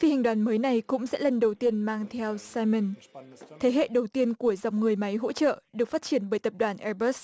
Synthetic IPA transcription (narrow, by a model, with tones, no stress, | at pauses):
fi˧˩ha˨˩ŋ̟ɗwaː˨˩nməː˨˦jna˨˩jkʊ̰˧˥ŋ͡msɛ̰˧˥lə˨˩nɗə˨˩wt̪i˧ənmaː˧ŋt̪ʰɛ˧wsaː˧jmə˨˩nt̪ʰe˨˦ɦḛ˧˨ɗə˨˩wt̪i˧ənku˧˩əza˨˩wŋ͡mŋɨ˨˩əjma˨˦jɦo̰˧˥t͡ɕə̰ː˧˨ɗɨ˨˩ək̚faː˦˥t̚t͡ɕi˧˩ənɓəː˧˩jt̪ə˨˩p̚ɗwaː˧˩nʔɛ˧bə˦˥s